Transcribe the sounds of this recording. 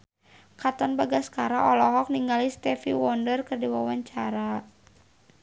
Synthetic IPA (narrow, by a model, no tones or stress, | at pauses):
kat̪ɔnbaɡaskaɾaʔɔlɔɦɔk̚niŋɡalist̪ɛfiwɔndərkɨrdiwawaɲt͡ʃaɾa